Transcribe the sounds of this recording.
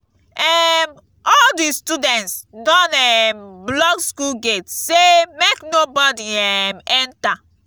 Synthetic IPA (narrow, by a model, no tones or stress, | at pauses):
ɛm | ɔldistudɛ̃ntsdɔ̃nɛmblɔɡskulɡetsemeknobɔdiɛmɛ̃nta